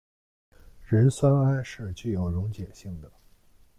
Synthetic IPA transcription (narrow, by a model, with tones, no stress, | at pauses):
ɻə˧˥nswa˥na˥nʂɻ̩˥˧t͡ɕy˥˩jo˨˩ʊɻʊ˧˥ŋt͡ɕjɛ˨˩ɕi˥˩ŋd̪ə˩